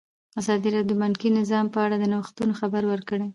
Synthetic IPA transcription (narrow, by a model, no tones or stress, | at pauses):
azɑd̪iɾɑd̪omankinɪzɑmpəaɽad̪ənawxt̪unoxabaɾwəɾkəɽe